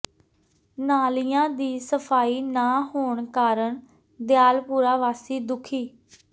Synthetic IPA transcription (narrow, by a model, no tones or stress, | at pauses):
naːlijãːd̪iːsəpʰaːiːnaːɦoːɳkaːɾəɳ | d̪jaːlpuːɾaːʋaːsiːd̪ʊkʰiː